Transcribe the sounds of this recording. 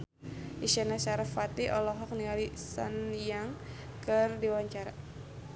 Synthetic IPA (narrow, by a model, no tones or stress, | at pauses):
ʔiʃanasaɾafat̪iʔɔlɔɦɔk̚niŋalisa̰njaŋ | kərdiwaɲt͡ʃaɾa